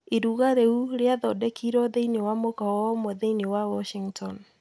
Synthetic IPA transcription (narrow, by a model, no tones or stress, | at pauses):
eɾuɣaɾeuɾeaðɔdɛkʰiɾɔðeinewamokɔɔmoðeinewawɔʃiŋɡtʰɔn